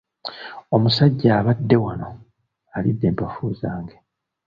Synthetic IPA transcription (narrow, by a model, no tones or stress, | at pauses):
o̞musaɟːaːβadːe̞wano̞ | alidːe̞ːmpafuːzaːŋɡe